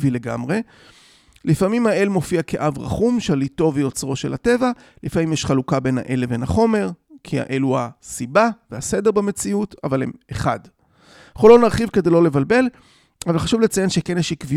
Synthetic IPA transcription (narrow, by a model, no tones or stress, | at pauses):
vile̞ɡa̰mʁe̞ | lifamimhaʔe̞lmo̞fiake̞ʔavʁa̰χumʃalito̞vejo̞t͡sʁo̞ʃelhate̞va | lifamimjɛʃχalukabe̞nha̰ʔe̞leve̞naχo̞me̞ʁkʰia̰ʔeluasibavehasede̞ʁbeme̞t͡siutavalḛmeχad | χolonaʁχivked̪ejlo̞levalbe̞l | avalχaʃuvlet͡sajenʃekenjeʃikvi